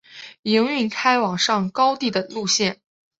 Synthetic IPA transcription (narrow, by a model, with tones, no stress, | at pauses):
i˧˥ŋy˥˩nkʰa˥ɪwɑ˨˩ŋʂɑ˥˩ŋkɑ˥ʊt̪i˥˩d̪ə˩lu˥˧ɕjɛ˥˩n